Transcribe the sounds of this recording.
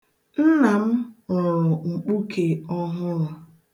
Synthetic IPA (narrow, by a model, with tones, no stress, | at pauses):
n̩˦na˨m̩˦ɔ˨ɾʊ˨ŋ͡m̩˨k͡pu˦kʰe˨ɔ˦ɦʊ˦la˨